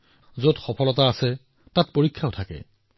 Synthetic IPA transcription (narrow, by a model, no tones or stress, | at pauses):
zodxɔpʰɔlɔtaːsɛ | tat̚poɹikʰːaʊtʰakɛ̰